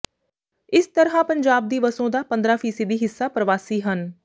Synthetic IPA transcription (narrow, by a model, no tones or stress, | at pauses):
ɪst̪əɾɦãːpəɲd͡ʒaːb̚d̪iːbəsõːd̪aːpə̃nd̪ɾãːpʰiːsed̪iːɦɪsːaːpɾəʋaːsiːɦən